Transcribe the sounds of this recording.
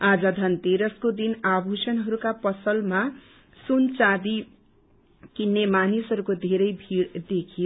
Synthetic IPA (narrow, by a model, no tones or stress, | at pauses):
ad͡zʌd̪ʱʌnt̪eɾʌskod̪inabʱusʌnɦʌɾukapʌsʌlma | sunt͡sad̪i | kinːemanisɦʌɾukod̪ʱeɾʌjbʱiɾd̪ekʰi